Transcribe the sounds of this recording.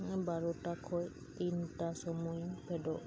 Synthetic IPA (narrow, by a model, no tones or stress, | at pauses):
ŋɛbaɹɔtakʰɔj | tintasɔmujpʰɛdɔ